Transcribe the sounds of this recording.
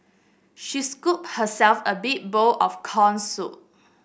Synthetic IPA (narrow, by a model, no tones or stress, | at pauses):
ʃiskup̚həsɛlfəbik̚boʔɔfkʰɔ̃nsṵ